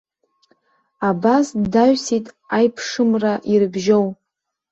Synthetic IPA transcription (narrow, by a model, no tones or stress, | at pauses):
abasdaɥsitʼ | ajpʰʂɨmraʔirɨbʒow